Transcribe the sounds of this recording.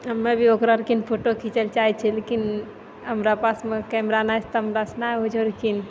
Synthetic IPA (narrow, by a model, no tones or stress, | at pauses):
ɦəmːebʱiokɾaɾkinpʰoʈokʰit͡ʃəlt͡ʃait͡ʃʰɛlekin | ɦəmɾapasmekɛmɾanat͡ʃʰt̪ɔɦəmɾasnaod͡ʒoɾkin